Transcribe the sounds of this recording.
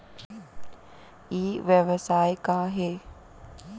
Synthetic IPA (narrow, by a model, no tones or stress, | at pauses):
iːʋjeʋəsaːjkaːɦe